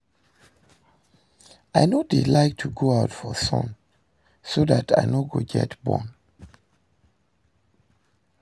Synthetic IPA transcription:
aɪnodelaɪk̚tʰuɡoaʊtfɔsɔ̰̃n | sodatʰa̰ɪnoɡo̰ɡɛ̰tbɔ̰̃n

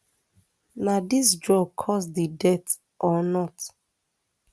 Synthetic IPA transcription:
nadisdɹɔb̚kʰɔsdidɛt | ʔɔnɔt

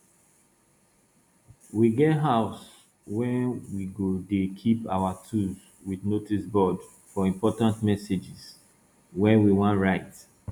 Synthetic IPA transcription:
wiɡɛtɦaʊs | wɛ̃wiɡodekʰipa̰watʰuz | wiðnotisbɔd | fɔĩmpɔtãntmɛsed͡ʒiz̥ | wɛ̃wiwɔ̃ntɹaɪt

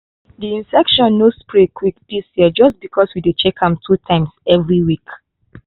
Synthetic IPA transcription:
diĩnsɛkʃɔ̃nːospɹikʰwik̚disjiəd͡ʒʌstbikʰɔswidut͡ʃekʰãmtʰutʰãɪ̃msɛvɹiwik

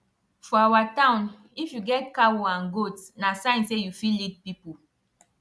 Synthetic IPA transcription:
fɔawatãʊ̃n | ifjuɡɛt̚kawɔãnɡotnasãɪ̃nsejufilid̚pipu

